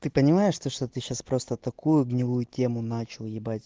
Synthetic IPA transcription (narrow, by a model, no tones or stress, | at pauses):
t̪ɨpənʲɪmajɪʂt̪oʂt̪ot̪ɨɕːaspɾo̞st̪ət̪ɐkujʊɡnʲɪvujʊtʲemʊnat͡ɕɪlˠjɪbatʲ